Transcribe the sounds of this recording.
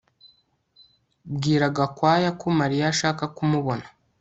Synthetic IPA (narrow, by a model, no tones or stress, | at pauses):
bɡiːɾaɡakwaːjakomaɾijaʃaːkakumuβo̞nḁ